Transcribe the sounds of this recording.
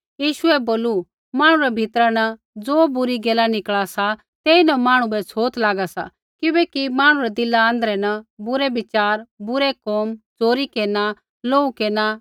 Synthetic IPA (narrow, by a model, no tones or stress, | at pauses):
jiːʃʊɛboːlu | maːɽ̃uɾɛbʱɪt̪ɾanɐ | d͡zoːbʊɾiɡɛːlanɪkɭasa | t̪eːinɐmaːɽ̃ubɛt͡sʰoːt̪laːɡasa̰ | kɪbɛkimaːɽ̃ũɾɛd̪ɪlːãːnd̪əɾɛnɐbʊɾɛbɪt͡ʃaːɾbʊɾɛkɔːmd͡zoːɾikeːna | loːukeːna